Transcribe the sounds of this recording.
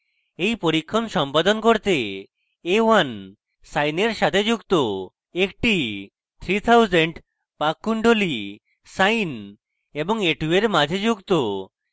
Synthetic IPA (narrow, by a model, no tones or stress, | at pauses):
ejpoɾikʰːɔmʃɔmpad̪onkoɾt̪eː | wan | sajneɾʃat̪ʰed͡ʒukt̪o | ekʈi | t̪ʰɾit̪ʰawzeɳɖ | pakːuɳɖoli | sajn | ebɔŋeʈueɾmad͡ʒʱed͡ʑukt̪o